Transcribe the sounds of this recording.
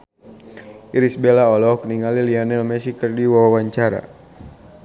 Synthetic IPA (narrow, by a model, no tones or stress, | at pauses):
iɾisbɛlaɔlɔk̚niŋalilianɛlmɛsikərdiwawawaɲt͡ʃaɾa̰